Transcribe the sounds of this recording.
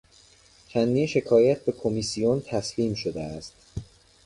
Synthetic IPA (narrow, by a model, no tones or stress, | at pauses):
t͡ʃʰænd̪iːnʃe̞kʰɒːjæt̪̚ʰbe̞kʰomisijont̪ʰæsliːmʃod̪eæst̪